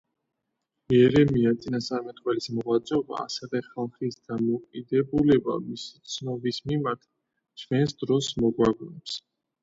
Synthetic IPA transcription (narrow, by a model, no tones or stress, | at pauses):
jɛɾɛmiat̪sʼinasaɾmɛt̪ʼqʼwɛlismɔʁad̪zʼɔba̰ːsɛvɛχalˠχisd̪amɔkʼid̪ɛbulɛba̰misi̥t̪sʰnɔbismimaɾt̪ʰ | t͡ʃʰvɛnsd̪ɾɔsmɔɡwaɡɾɛps